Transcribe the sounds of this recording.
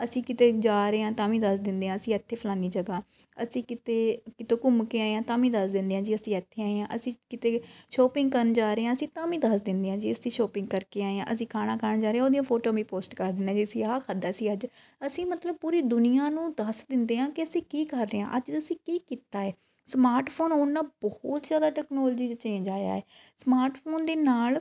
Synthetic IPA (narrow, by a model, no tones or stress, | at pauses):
əsĩːkɪt̪eːd͡ʒaːɾeːãːt̪aːmĩːd̪əsd̪ɪ̃nd̪eːãːəsĩːət̪ʰːeːpʰəlãːnd̪iːd͡ʒəɡaː | əsĩːkɪt̪eːkɪt̪õːkʊmkeːaːeːãːt̪ãːmĩːd̪əsd̪ɪ̃nd̪eːãːd͡ʒiːəsĩːət̪ʰːeːaːeãːʔə̰sĩːkɪt̪eːʃoːpɪ̃ŋɡ̚kəɾnd͡ʒaːɾeːãːəsĩːt̪aːmĩːd̪əsd̪ɪnd̪eːãːd͡ʒiːəsĩːʃoːpɪ̃ŋɡ̚kəɾkeːaːeã̰ːʔəsĩːkʰaːnãːkʰaɾnd͡ʒaːɾeːãːoːd̪ijõːpʰoːʈoːbiːpoːsʈkəɾd̪ɪnd̪ãːd͡ʒiːəsĩːaːkʰad̪aːəsĩːəd͡ʒ | əsĩːmət̪ləb̚puːɾiːd̪ʊnɪjãːnũːd̪əsd̪ɪnd̪eːɦãːkɪəsĩːkiːkəɾːeːã̰ːʔəd͡ʒəsĩːkiːkiːt̪aːɛː | smaːɾʈpʰoːnoːnːãːbɔt̪zjaːd̪aːʈɛːknɔːld͡ʒiːd͡ʒət͡ʃːd͡ʒaːja̰ːɛː | smaːɾʈpʰoːnd̪eːnaːl